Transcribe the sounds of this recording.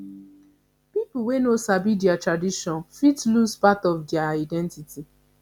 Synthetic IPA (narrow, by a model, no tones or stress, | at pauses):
pipul̩wenosabidjatɹadiʃɔ̃nfitluspatɔfdjaadɛ̃ntitʰi